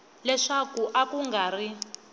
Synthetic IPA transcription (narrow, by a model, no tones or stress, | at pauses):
lɛʂakuʔakuŋɡaːri